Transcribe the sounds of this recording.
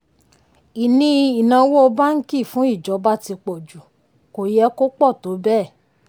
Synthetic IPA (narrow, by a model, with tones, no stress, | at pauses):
i˨nĩ˧i˨nã˧˦wo˦o˧ba˦ŋ̩˦ki˦˨fũ˨˦i˦˨d͡ʒɔ˨˦ba˦˨ti˧k͡pɔ˨d͡ʒu˨ | ko˨jɛ˧˦ko˦k͡pɔ˦˨to˨˦bɛ˦˨